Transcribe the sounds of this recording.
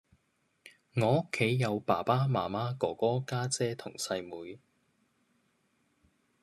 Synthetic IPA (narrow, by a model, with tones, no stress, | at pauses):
ŋɔː˨˧ʊ˥kʰːe˨˥jːɐ˨˧wpaː˨˩paː˥maː˨˩maː˥kɔː˨˩kɔː˥kaː˥t͡sɛː˥t̪ʰʊ˨˩ŋsɐ˧jmuː˨˧j